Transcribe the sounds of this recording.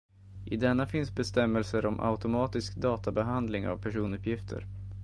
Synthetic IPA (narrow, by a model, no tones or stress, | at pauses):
ʔɪd̪ɛnːafɪnsbɛst̪ɛmːɛlsəɾɔmʔa̰ʊt̪ʊmɑːt̪ɪskd̪ɑːt̪abɛɦand̪lɪŋa̰vpʰæʂuːnɵpʰjɪft̪ʰə̰ɾ